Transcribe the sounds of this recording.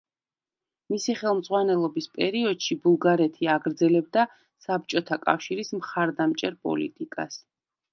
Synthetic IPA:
misiχɛlˠmd̪zʁwanɛlˠɔbispʼɛɾiɔd̪̥ʃibulˠɡaɾɛt̪ʰiaɡɾd̪zɛlɛb̚d̪a | sap̚t͡ʃʼɔt̪ʰakʼa̰fʃiɾismχaɾd̪amt͡ʃʼɛɾpʼɔ̰lḭt̪ʼikʼa̰s

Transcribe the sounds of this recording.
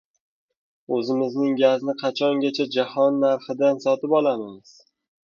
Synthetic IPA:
ɵzɪmɪznɪŋʲaznɪqʰɑt͡ʃʰɒŋɡʲat͡ʃʰad͡ʒahɒnːaɾχɪd̪ansɒt̪ɪpɒlˠamɪmɪz̥

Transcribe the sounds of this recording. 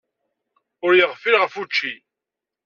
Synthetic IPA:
ʊɾjəʁfilʁəfut͡ʃːi

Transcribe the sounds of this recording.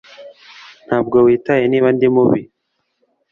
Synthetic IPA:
n̥haːb̚ɡowiːtajeniːβandimuβi

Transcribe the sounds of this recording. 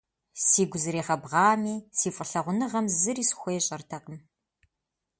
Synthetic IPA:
siːɡʷʊzɨɾiːʁɐbʁɑːmiːsiːfʼəɬɐʁʷʊnɨʁɐmzɨriːsxʷejɕʼɐrtʰɐqəm

